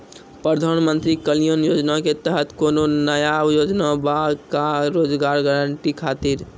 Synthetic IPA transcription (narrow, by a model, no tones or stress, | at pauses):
pɾəd̪ʱanmənt̪ɾikəlijənjod͡ʒnaket̪əɦət̪kononəjajod͡ʒnabakaɾod͡ʒɡaɾɡaɾəɳʈikʰat̪iɾ